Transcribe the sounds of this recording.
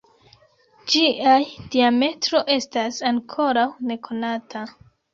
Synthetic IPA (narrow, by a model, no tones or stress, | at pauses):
d͡ʒiʔajd̥iame̞tɾo̞ʔe̞stasaŋkʰo̞ɾawne̞kʰo̞natʰa